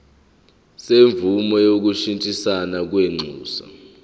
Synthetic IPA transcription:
seɱvumɔjok̬uʃintʼisanak̬weŋ͡ǀʱuːsa̰

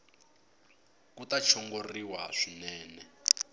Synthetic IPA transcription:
kutat͡ʃʰɔŋɡoriwaʂinɛːnɛ

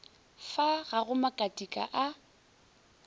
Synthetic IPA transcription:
faɣaɣʊmakʼatʼikʼa̰ʔa

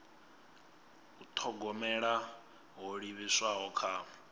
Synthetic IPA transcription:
ut̪ʰɔɡɔmɛɺa | ɦɔɺiβiswaɦɔkʰaːm

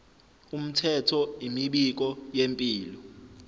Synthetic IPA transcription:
um̩tʰɛtʰɔimiɓik̬ɔjempʼiːlɔ

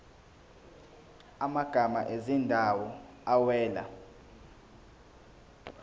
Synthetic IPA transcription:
amaɡ̥ʱama̰ʔezindʱawɔ | awɛːla̰

